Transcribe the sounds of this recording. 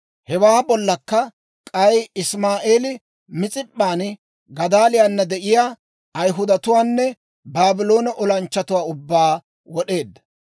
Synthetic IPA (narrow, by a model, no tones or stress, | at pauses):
hɛwaːbɔlːɐkːɐ | kʼɐjɪsmaːʔeːlɪ | mɪt͡sʼɪpʼːaːn | ɡɐd̪aːlɪjanːɐd̪ɛʔɪjaː | ɐjɦʊd̪ɐt̪ʊwaːnːɛ | baːbɪlo̞ːnɐʔɔlɐnt͡ʃːɐt̪ʊwaːʊbːaː | wɔɗe̞ːd̪ːɐ̥